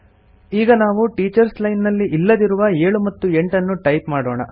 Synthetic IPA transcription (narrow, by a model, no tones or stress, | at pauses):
iːɡɐnaːʋuʈiːt͡ʃɐɾslɐjnːɐlːiʔilːɐd̪iɾuʋɐeːɭumɐt̪ːue̞ɳʈɐnːuʈɐjpmaːɽoːɳɐ̰